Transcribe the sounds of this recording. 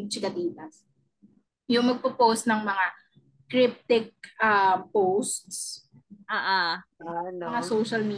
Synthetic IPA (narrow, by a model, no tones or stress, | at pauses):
t͡ʃɪkɐd̪iːt̪ɐs | jʊŋmɐɡ̚pɐpowst̪nɐŋmɐŋa | kɾɪp̚t̪ɪk̚ʔapowst̪s | ʔaːʔaanŋasoʃɐlmiː